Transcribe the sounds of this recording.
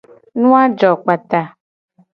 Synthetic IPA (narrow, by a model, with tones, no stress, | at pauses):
nũ˦a˦d͡ʒɔ˨k͡pa˨t̪a˨